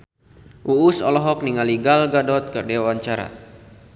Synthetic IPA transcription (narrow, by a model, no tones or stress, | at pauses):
ʔuusɔ̰lɔɦɔk̚niŋaliɡalɡadɔt̪̚kərdewaɲt͡ʃaɾa̰